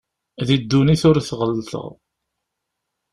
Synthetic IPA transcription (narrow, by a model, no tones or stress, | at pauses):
ðid̪ːuniθʊɾθʁəlːθə̰ʁˤ